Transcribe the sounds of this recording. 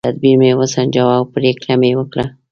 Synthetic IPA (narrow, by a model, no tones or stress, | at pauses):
t̪ad̪̚biɾmewəsand͡ʒawɑwpɾeklamewəkɽa